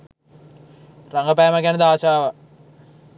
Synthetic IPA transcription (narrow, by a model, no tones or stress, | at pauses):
raŋɡəpæːməɡɛnəd̪aːsaːʋa